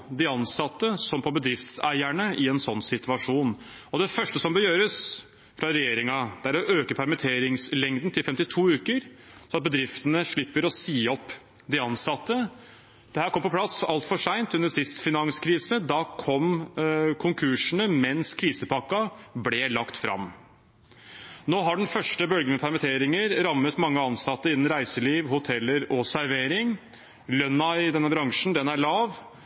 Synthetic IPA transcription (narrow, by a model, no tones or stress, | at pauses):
d̪ɪɑnsɑt̪ːəsɔmpʰɔbəd̪ɾɪft̪sæɪæɳəʔɪɛnsɔnːsɪt̪ʉɑʂuːn | ɔd̪ɛfœʂʈəsɔmbəjøːɾəs | fɾɑɾɛjeːɾɪŋɑd̪̥ɛæɾɔʔøːkəpʰæɾmət̪ʰeːɾɪŋslɛŋd̪n̩t̪ʰɪlfɛmt̪ɪt̪ʰuːʉːkəɾ | sɔmɑt̪̚bəd̪ɾɪft̪ənəʂɭɪpːəɾɔsiːɔpː | d̪ɪɑnsɑt̪ːə | d̪̥ɛhæːɾkʰɔmːpɔplɑsɑlt̪fɔʂæɪnt̪ʉnəsɪst̪fɪnɑŋskʰɾiːsəd̪ɑkʰɔm | kʰʊŋkʰʉʂənəmɛnskʰɾiːsəpʰɑkːɑblɛlɑkt̪fɾɑ̰m | noːɦɑɖɛnfœʂʈəbœlɡənəpʰæɾmɪt̪ʰeːɾɪŋəɾɾɑmːət̪mɑŋːəɑnsɑt̪ːəɪnn̩ɾæɪsəliːʋhʊt̪ʰɛlːəɾɔsæɾʋeːɾɪŋ | lœnɑɪɪd̪ɛnːəbɾɑŋʂn̩d̪ɛnæɭɑːʋ